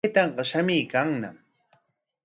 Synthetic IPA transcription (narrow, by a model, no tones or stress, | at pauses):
jt̪ɑɴɢɑʃamiːkaŋna̰m